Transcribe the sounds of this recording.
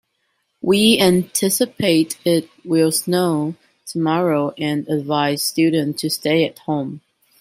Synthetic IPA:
wiæ̃ntʰɪsɨpʰeɪɾɪt̚wɪlˠsnoʊ | tʰəmɑɹoʊʔɨ̃nɨdvaɪz̥stʉdⁿn̩tʰːɨsteɪɨt̚hõʊ̃m

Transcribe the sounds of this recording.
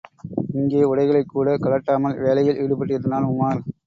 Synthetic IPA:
ɪŋɡeːʊɽɐɪɣɐɭɐɪkːuːɽɐkɐɭɐʈːaːmɐlʋeːlɐjɪlʔɪɽɯpːɐʈːɪɾɐðɐnaːlʊmːaːɾ

